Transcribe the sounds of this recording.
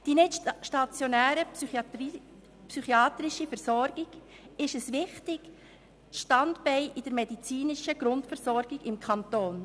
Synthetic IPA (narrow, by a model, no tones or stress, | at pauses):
d̥inɪtʃtɑt͡sjonæːɾə | psyχiɑːt̪ɾɪʃifɛɾsɔɾɡ̥ɪɡ̥ | ɪʃəsʋɪχtɪɡ̥ | ʃtɑndbɛɪʔɪd̥əɾmɛdit͡siːnɪʃəɡɾʊndfəɾsɔɾɡ̥ɪɡɪmkʰɑntoːn